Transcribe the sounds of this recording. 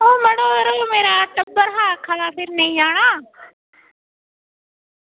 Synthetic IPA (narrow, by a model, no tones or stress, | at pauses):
oːməɽoːɾoːmeːɾaːʈəbːəɾɦaːkʰalaːpʰɪɾnə̃ĩːaːɽ̃aː